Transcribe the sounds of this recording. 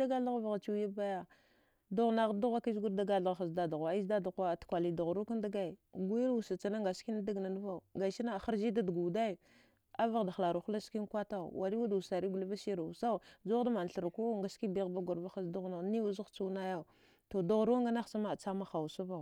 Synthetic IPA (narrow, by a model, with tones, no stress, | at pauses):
a˦ɡa˦ɬa˦ɣva˨ɣa˨t͡ʃi˦ja˦ba˦ja˨ | du˦ɣna˦ɣdu˦ɣʷa˦ki˦zɡu˦ɾda˦ɡa˦˨ɬa˦ɣxa˨sda˦da˨ɣa˨˦i˦zda˦da˨ɣa˦˨tkʷa˨li˨du˨ɣɾu˦ka˦nda˦ɡa˦i˨ɡu˦ji˦lwu˨sa˨t͡ʃa˨na˦ŋɡa˨ski˦na˦da˦ɡna˨nu˦va˦˨u˨ɡa˨ʃi˦na˦˨xa˦ɾd͡ʒi˦da˦dɡu˨da˦i˨ | a˦va˦˨ɣda˨xla˨ɾu˨xla˦ski˦n˦kʷa˦ta̰˦˨wʔa˨ɾi˦wa˦dsa˨ɾi˦ɡu˨li˦va˦si˦ɾa˨u˨sa˦u˨d͡ʒo˦da˦ma˨n˨ɬə˨ɾku˦ŋɡa˨ski˦bi˦ɣba˦ɡa˨ɾva˦xa˦sdu˦ɣna˨˦ni˦wu˦zu˦t͡su˦na˦ja˦˨u˨ | to˨do˦ɣɾu˦wa˦ŋɡa˦na˦xsa˦ma˦˨t͡sa˦ma˦xa˨wu˨sa˦va˦˨